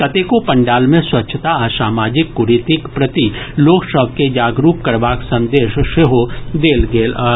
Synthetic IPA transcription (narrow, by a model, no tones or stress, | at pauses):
kɐt̪ekopɐ̃ɳɖaːlmẽswɐtːʃʰət̪aɐsaːmaːd͡ʒɪkːʊɾit̪ɪkpɾɐt̪iloːksəbʱked͡ʒaːɡɾuːp̚kɐɾbaːksɐ̃nd̪eːʃʃeɦod̪eːlɡeːlaː